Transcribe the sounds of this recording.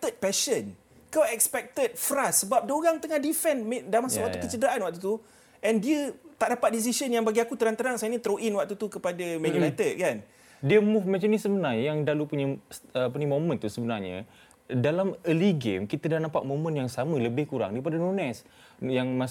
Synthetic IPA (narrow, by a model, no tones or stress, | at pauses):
t̪ət̪̚pɛʃən | kaɛkspɛk̚t̪ət̪̚fɾasːəbap̚doɾaŋt̪əŋahdifɛnmedamasawak̪̚ukət͡ʃədəɾaʔanwak̚t̪̬ut̪u | ʔɛndiət̪aʔdapat̪̚dis̬isənjaŋbaɡiakut̪əɾant̪əɾaŋsajənit̪ɾoʔinwak̚t̪ut̪ukəpadamɛ̃junajt̪əd̚kan | diəmufmat͡ʃamnisəbənarɲajaŋdalupuɲəsəpuɲimomə̃nt̪usəbənarɲə̰ | dalaməliɡemkit̪ədanampaʔ̪̚momə̃njaŋsamələbɪhkuɾa̰ŋdaɾip̬adanunɛs | jaŋma